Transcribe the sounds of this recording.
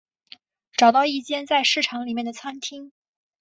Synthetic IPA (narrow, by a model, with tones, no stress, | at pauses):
ʈ͡ʂɑ˨˩ʊt̪ɑ˥˧ʊi˥˩t͡ɕjɛ˥nt͡sa˥˧ɪʂɻ̩˥˩ʈ͡ʂʰɑ˧˥ŋli˨˩mjɛ˥˩nd̪ə˩t͡sʰa˥nt̪ʰi˥ŋ